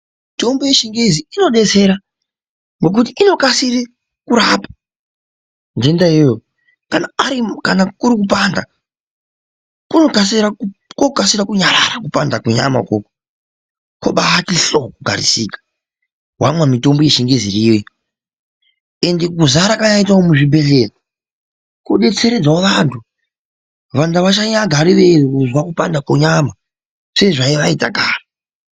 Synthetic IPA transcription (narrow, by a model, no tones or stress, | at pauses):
mmito̞mboje̞ʃiŋɡeziino̞ɗe̞t͡se̞ɾa | ŋɡo̞k̬ut̬iino̞kasiri | kuɾapḁ | ndendaijo | kanaaɾikanakuɾikupanda̰ | kuno̞kasiɾakokasiɾakuɲaɾa̰ɾakupandakuɲa̰ma̰koko̥ | koɓaɦatiɬokuɡʱa̰ɾisiːkḁ | ɦwamwamito̞mbojeʃiŋɡeziriwe | e̞ndeɡuzaɾakaɲaitaomuʐibʱe̞ɮeka | kuɗe̞t͡se̞ɾe̞d͡zaoʋantʰu | ʋandaʋat͡ʃaɲaɡʱaɾiʋe̞rikuzwakupandakoɲama | se̞ʐaiʋaita̰ɡʱaːri